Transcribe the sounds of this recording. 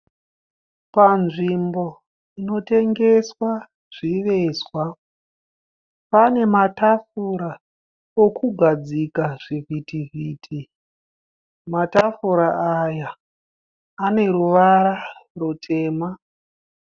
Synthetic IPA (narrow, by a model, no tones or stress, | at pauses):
panʐimbo̞ | ino̞te̞ŋɡe̞swa | ʐ̥iʋe̞swa | pane̞matafuɾa | okuɡʱad͡zikaʐ̥ivʱitiviːtʰi | matafuɾaʔaja | ne̞ɾuʋaɾarotʰe̞ːma